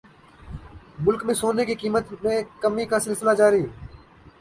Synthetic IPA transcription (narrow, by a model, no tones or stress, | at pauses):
mʊlkmẽːsoːneːkiːkiːmət̪mẽːkəmiːkaːsɪlsɪlaːd͡ʒaːɾiː